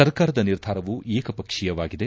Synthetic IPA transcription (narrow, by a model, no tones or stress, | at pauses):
ɐɾkaːɾɐd̪ɐniɾd̪ʱaːɾɐʋueːkɐpɐkʂijɐʋaːɡid̪e̞